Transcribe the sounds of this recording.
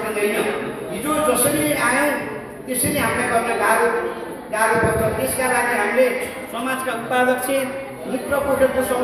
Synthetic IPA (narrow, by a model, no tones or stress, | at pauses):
ʌnd̪ʱʌnʌɦid͡zod͡zʌsʌɾileajõw̃ | t̪esʌleɦamilaɡʌrneɡaɾo | ɡaɾopʌt̪ʌt̪eskalaɡeɦamile | sʌmad͡zkaut̪̚pad̪ʌk̚t͡sʰe | mit̪rʌpoʈʰʌkosʌ